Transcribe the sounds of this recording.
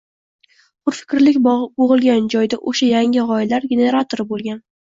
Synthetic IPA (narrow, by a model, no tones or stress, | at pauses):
χʰʊɾfɪ̥kʲɾlɪkʲboʁɨlˠɡʲand͡ʒɒjd̪aʔoʃajaŋʲɪʁɒɪlaɾɡʲe̞ne̞ɾat̪ʰoɾɪbolˠɡʲan